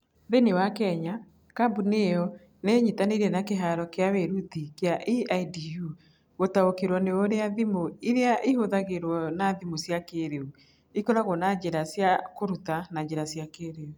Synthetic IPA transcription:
ðenewakɛɲa | kabuneɔ | neɲitaneiɾɛnakeɦaɾɔkeaweɾutikeaʔiaidiju | ɣotaokeɾwɔneoɾeaðimoiɾeaʔihoðaɣeɾwɔnaðimosjakeːɾeu | ikoɾaɣɔnad͡ʑeɾasjakoɾutanad͡ʑeɾasjakeːɾeu

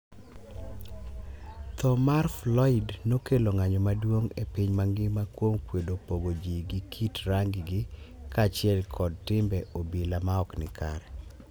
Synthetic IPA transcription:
t̪ɔmarflɔɪdnokeloŋaɲɔmadwoŋepiɲmaŋɡɪmakwomkwedopoɡod͡ʒiɡɪkʰitɾaŋɡɪɡɪkaːt͡ʃɪɛlkʰɔd̚tɪmbɛʔobilamaɔknɪkʰa̰ɾɛ

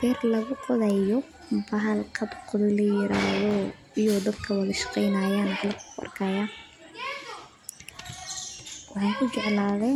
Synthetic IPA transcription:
bɛːrlɐɣʊqɔðɛjɔ | bɐɦɐlkʰɐbqʊðɪlɐjɪɾa̰ːðɔ | ɪjɔd̪ɐd̪kʰɐwɑðɐʃɑ̥qɛjnaːjaːnħlɐkʰʊɐ̰rkʰɐjaː | wɑħɑjkʰʊt͡ʃɛʕlaːðɛ

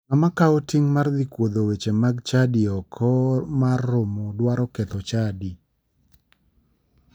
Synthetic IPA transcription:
amakaɔtiŋmard̪ikwod̪owet͡ʃemaɡt͡ʃadiɔkʰɔmarːomodwaɾɔket̪ɔt͡ʃadi

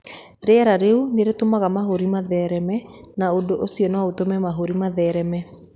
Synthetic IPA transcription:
ɾeɛɾaɾeuneɾetomaɣamaɦoɾimaðɛːɾɛmɛ | naodoʔosiɔnɔotomɛmaɦoɾimaðɛːɾɛmɛ

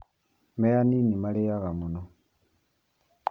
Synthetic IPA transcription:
mejaninimalijaɣamuno

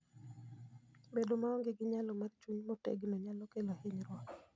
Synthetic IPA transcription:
bedomaɔŋɡeɡɪɲalɔmart͡ʃuɲmɔtḛɡnɔɲalɔkelahɪɲɾwɔk

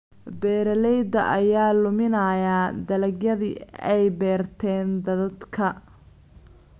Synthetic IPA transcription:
bɛːɾɐlɛjd̪ɐ̰ʔɐjaːlʊmɪnɐːjaːd̪ɐlɐɡjɐðɪɛjbɛːrt̪ʰɛːnd̪ɐðɐd̪kʰɐ

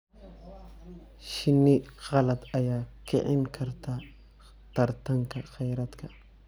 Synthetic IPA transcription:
ʃɪnːiɣɐlɐt̪ajaːkɪ̰ʕɪnkʰɐɾt̪a | t̪ɐɾt̪aŋkaxɛjɾɐt̪kʰɐ

